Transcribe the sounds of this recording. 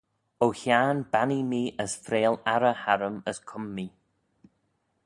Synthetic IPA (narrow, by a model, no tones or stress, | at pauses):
owhjaːnbanimiːʔəsfɾeːlaɾəhaɾəməskʰʊmːiː